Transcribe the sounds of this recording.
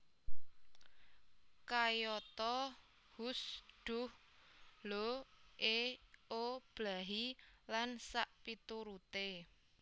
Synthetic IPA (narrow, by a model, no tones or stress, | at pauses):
kajɔt̪ɔ | husɖ̥ʊh | loʔeob̥laɦilansaʔpit̪uɾut̪e